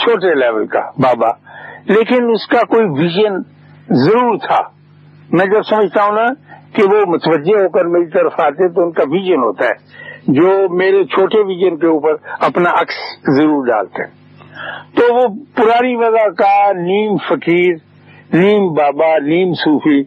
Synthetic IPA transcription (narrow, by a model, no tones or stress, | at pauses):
t͡ʃʰoːʈelɛːʋəlka̰baːba̰ːleːkɪnʊskakoːiʋiːʒən | zəɾuːɾt̪ʰa̰ː | mɛ̃ːd͡ʒɐbsɐməd͡ʒʱt̪aːɦũnakeʋomʊt̪əʋəd͡ʒeɦoːkəɾmeːɾit̪ɐɾəfaːt̪eɦɛ̃t̪̬oʊnkaʋiʒənɦo̰ːt̪aɦɛ̰ːd͡ʒoːmeːɾet͡ʃʰoːʈeʋiːd͡ʒənkeuːpəɾɐpnaʔɐkszɐɾuːɾɖa̰ːlt̪eɦɛ̃ | t̪oːʋopʊɾaːɾiʋɐzakaniːmfəkiːɾ | niːmbaːbaniːmsuːfʰi